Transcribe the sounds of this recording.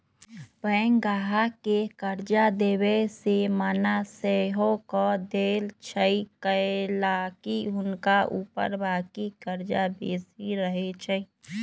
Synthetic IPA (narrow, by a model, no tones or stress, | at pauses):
bəŋɡaːɦakekəɾd͡ʒad̪eːwesemənaseɦõkɔd̪eːlt͡ʃʰəikəlaːkiʊnkaʔuːpə̰ɾbaːkikəɾd͡ʒabeːsiɾəɦet͡ʃʰəi